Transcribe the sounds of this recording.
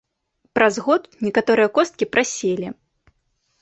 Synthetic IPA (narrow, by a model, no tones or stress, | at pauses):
pɾʔazɣɔt̪nʲɛkat̪ɔɾɨjɐkɔst̪̚kʲipɾasʲelʲi